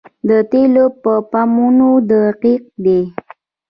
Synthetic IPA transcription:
d̪ət̪elopəpamunod̪aqiq̚d̪e

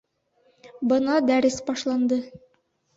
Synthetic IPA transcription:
bɤnɑd̪æɾɘsbɑʃlˠɑnd̪ɤ

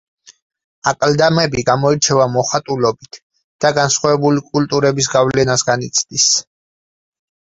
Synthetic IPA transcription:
akʼld̪amɛbiɡamɔiɾt͡ʃʰɛvamɔχat̪ʼulɔbit̪ʰ | d̪̥aɡansχwavɛbulikʼult̪ʼuɾɛbisɡavlɛnasɡanit̪sʰd̪̥is

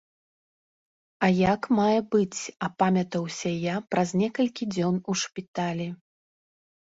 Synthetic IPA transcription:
ɐjakmajɛbɨt͡sʲɐpamʲɐt̪ɐwsʲɐjapɾʔɐzʲnʲɛkɐlʲkʲid͡zʲɔnuʂpʲit̪alʲi

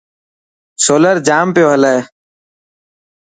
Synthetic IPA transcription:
soːləɾd͡ʒaːmpɪjoːɦələː

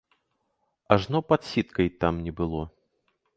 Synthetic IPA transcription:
aʐnɔpɐt̪sʲit̪kɐjt̪amnʲɛbɨlˠɔ

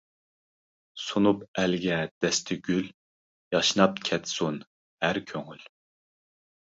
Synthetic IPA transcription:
sunupɛlɡʲɛd̪̥ɛst̪ʰɪɡʲyl | jɑʃnɑp̚kʲʰɛt̪sun | hæɾkʲʰøŋyl

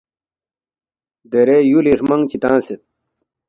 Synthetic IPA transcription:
d̪eɾejuliʂmɐŋt͡ɕit̪ãːset̪̚

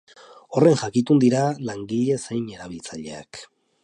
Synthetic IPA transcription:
o̞re̞ŋʝakit̪und̪iɾalaŋɡiʎe̞sejne̞ɾaβ̞ilt͡saʎe̞̰a̰k

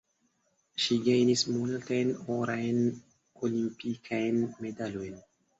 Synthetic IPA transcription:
ʃiɡajnismultajnoɾajn | olimpikʰajnme̞dalojn

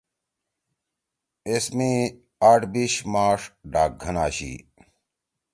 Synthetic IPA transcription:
esmiː | aːʈbiɕmaːʂɖaːk̚ɡʱɐnaːɕḭː

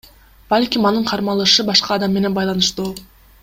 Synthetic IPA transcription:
bɑlʲkʲimɑnɯɴqʰɑɾmɑlˠɯʃɯbɑʃqɑːd̪ɑmːe̞ne̞nbɑjlˠɑnɯʃt̪u

